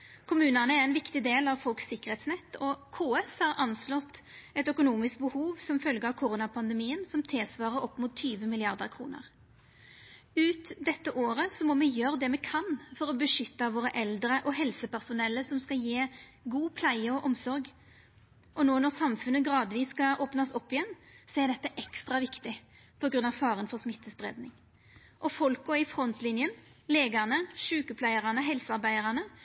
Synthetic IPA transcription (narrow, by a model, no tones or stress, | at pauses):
kʰʊmʉːnənəæɛnʋɪkt̪ɪd̪eːlɑʋfɔlksɪkəʁheːt̪snɛt̪ːɔkʰoːɛshɑɾɑnslɔt̪ːɛt̪œkʊnuːmɪsk̚bəhuːʋsɔmfœlɡəɑʋkʰʊɾuːnɑpʰɑnd̪əmiːənsɔmt̪ʰeːsʋɑːʁəɾɔpːmuːt̪ʰːyːʋəmɪlɪɑʁd̪əʁkʰɾṵːnə̰ʁ | ʉːt̪d̪ɛt̪ːəʔoːɾəsɔmɔmɛjøːɾəd̪ɛmɛkʰɑnfɔʁɔbəʂʏt̪ːɑʋoːɾəʔɛld̪ɾəʔɔɦɛlsəpæʁsʊnɛlːəsɔmskɑljeːɡuːpʰlæɪəɔʔɔmsɔɾɡ | ʔɔnoːnɔʁsɑmfʉnːəɡɾɑːd̪ʋiːsːkɑʔoːpnɑsɔpːɪjɛnsɔæɾd̪ɛt̪ːəʔɛkst̪ɾɑʋɪkt̪ɪ | pʰɔɡɾʉnːɑʋfɑːʁənfɔʁsmɪt̪ːəsbʁḛːd̪nɪŋ | ʔɔfɔlkɔɪfɾɔnt̪lɪnjənleːɡɑʁnəʂʉːkəpʰlæɪəʁɑnəɦɛlsɑɾbæɪəʁɑnə